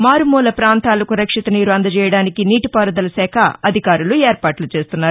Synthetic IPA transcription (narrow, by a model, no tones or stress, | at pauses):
maːɾumuːlɐpɾaːnt̪aːlɐkuɾɐkʂit̪ɐniːɾuɐnd̪ɐt͡ʃɛːjɐɽaːnikiniːʈipaːɾɐd̪ɐlɐsɛːkʰɐɐd̪ʱikaːɾulueːɾpaːʈlut͡ʃe̞ːst̪unːaːɾu